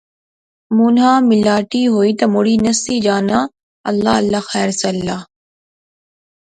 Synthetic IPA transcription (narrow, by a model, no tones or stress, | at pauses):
muːnɦaːmɪlaːʈiːɦoːiːt̪ɐmoɽiːnɐsiːd͡ʒaːnaː | ɐlːaːɐlːaxɛːɾsɐlːaː